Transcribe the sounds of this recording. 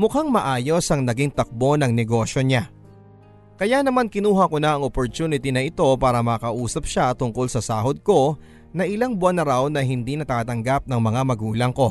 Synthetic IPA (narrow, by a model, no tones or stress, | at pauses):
mʊkaŋmɐʔaːjo̞sʔɐŋnɐɡiŋt̪ɐk̚bo̞nɐŋnɛɡo̞ʃjo̞ɲa | kɐjanɐmankɪnuːɦɐkonaʔɐŋʔopoɾt̪uːnɪt̪inɐʔɪt̪o̞paːɾɐmɐːkɐʔuːsɐp̚ʃat̪ʊŋko̞lsɐsaːɦo̞d̪̚ko̞ | nɐʔɪlaŋbʊʔanːɐɾawnɐɦɪnd̪inɐt̪aːt̪ɐŋɡap̚nɐŋmɐŋamɐɡuːlɐŋko̞